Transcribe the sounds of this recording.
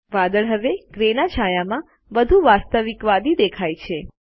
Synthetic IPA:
ʋad̪əɭɦəʋeɡɾenat͡ʃʰajamã | ʋəd̪ʱuʋast̪əʋikʋad̪id̪ekʰajt͡ʃʰe

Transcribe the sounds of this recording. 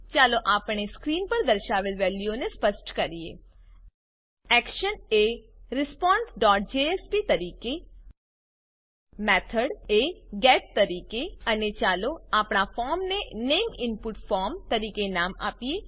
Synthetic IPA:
t͡ʃaːloʔaːpɽ̃eskɾiːnpəɾd̪əɾʃaːʋəlʋɛːljõnespəsʈkəɾijḛː | ɛːkʃəneɾɪspaːnsɖɔːʈ̚d͡ʒeːeːspit̪ɐɾiːke | mɛːt̪ʰəɖeɡɛːʈ̚t̪əɾiːkeənet͡ʃaːloaːpɳafʰaːɾmneneːmɪnpʊʈfʰaːɾmt̪əɾiːkenaːma̰ːpieː

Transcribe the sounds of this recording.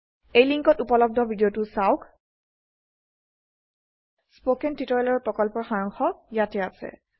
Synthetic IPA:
ejliŋkɔtupɔlɔb̚dʱɔbʱidiotʊsawk | spokɛntitɔjlɔɹpɹɔkɔlpɔɹxaɹɔŋxɔjatɛasɛ̰

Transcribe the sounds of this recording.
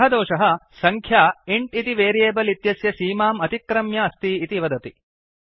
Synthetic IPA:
ɦɐd̪oːʃɐɦɐ̆sɐŋkʰjaːiɳʈit̪iʋeːɾijeːbɐlit̪jɐsjɐsiːmaːmɐt̪ikːɾɐmjɐɐst̪iːt̪iʋɐd̪ɐt̪i

